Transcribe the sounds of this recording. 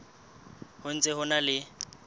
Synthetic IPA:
hʊn̩t͡sʼɪɦʊnalɪ

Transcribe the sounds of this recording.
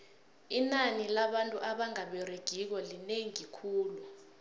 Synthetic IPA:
inanilaɓantʼuʔaɓaŋaɓɛreɡ̥ʱik̬ɔlineŋiikʰuːlu

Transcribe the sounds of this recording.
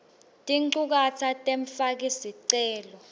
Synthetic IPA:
tʼiǀuk̬atʰatʼeɱfak̬isiǀɛːlɔ

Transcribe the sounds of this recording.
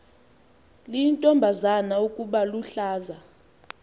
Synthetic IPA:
lintʼɔmbʱazanaukʼuɓaluɬaːza

